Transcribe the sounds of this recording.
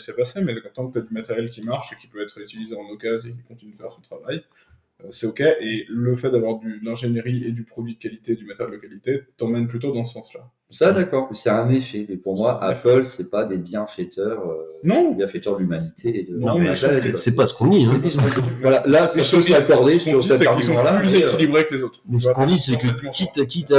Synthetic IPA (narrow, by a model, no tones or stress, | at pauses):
sɛpasemɛkɔ̃t̪ɑ̃kət̪ad̪ymat̪ɛʁjɛlkʲimaʁʃekʲi̥pøɛt̪χyt̪ilizeɑ̃nokazek̬ʲikɔ̃t̪inyd̪əfɛʁsɔ̃t̪χavaj | øsɛokʲɛʔeləfɛt̪̚d̪avwaʁd̪ylɛ̃ʒeneʁied̪ypχɔd̪ɥid̪əkalit̪ed̪ymat̪eʁjɛld̪əkalit̪et̪ɑ̃mɛnplyt̪od̪ɑ̃səsɑ̃sla | sad̪akɔːʁmsɛt̪ɛ̃nefɛmɛpuʁmwaʔa̰pœlsɛpad̪ebjɛ̃fɛt̪ʰœʁønɔ̃bjɛ̃fɛt̪œʁd̪əlymanit̪ʰeːd̪ə̃aɛssɛpasə̥kɔ̃d̪iɛ̃ivalalasasøsakɔʁd̪esyʁsiɛ̃tɛd̪isɔ̃lalyzekilibʁeklezot̪χmɛs̬əəkɔ̃d̪isɛkəkʲit̪ak̬ʲit̪a